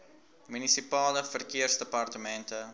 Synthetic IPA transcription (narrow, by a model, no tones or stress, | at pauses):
mynisipɑːləfərkiərsdəpɐrtəmɛntə